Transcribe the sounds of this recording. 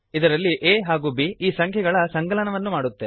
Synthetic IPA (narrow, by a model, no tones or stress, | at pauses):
id̪ɐɾɐlːiʔeːɦaːɡuːbiːiːsɐŋkʰjɛɡɐɭɐsɐŋɡɐlɐnɐʋɐnːumaːɽut̪ːe̞